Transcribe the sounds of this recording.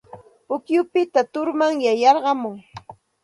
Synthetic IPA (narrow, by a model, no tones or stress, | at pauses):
ʊkjʊpɪt̪at̪ʊɾmaŋjajɑɾɢɑmʊŋ